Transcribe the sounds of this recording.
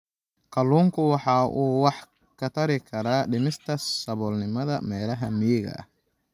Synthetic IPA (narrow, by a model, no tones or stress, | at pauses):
kʰɐlːuːŋkʰʊwɑħɑːʔuːwɑħ | kʰɐt̪ʰɐɾɪkʰɐɾaːɖɪmɪst̪ʰɐsɐβɔːlnɪmɐðɐmɛːlɐɦɐmɪjɛɣɐ̰ʔɐ̰